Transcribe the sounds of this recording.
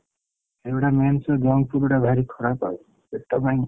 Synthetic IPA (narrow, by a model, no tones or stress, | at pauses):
ebɽamansɔd͡ʒɔŋpʰuɾɽabʱaɾikʰɔɾapa̰u | besʈɔbajŋ